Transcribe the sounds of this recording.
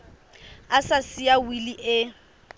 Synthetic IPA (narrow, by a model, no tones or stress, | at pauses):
asasiawiliʔɪ